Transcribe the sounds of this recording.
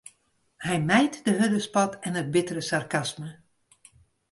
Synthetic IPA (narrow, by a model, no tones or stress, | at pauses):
hɛjmɛjtdəɦødəspɔtɛnəd̚bɪtəɾəsarkasmə